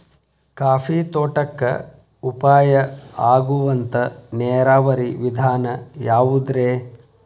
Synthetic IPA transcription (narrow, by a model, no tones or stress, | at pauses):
kaːfit̪oːʈɐkːɐ̰ | upaːjɐaːɡuʋɐnt̪ɐnɛːɾaːʋɐɾiʋid̪ʱaːnɐjaːʋud̪ɾeː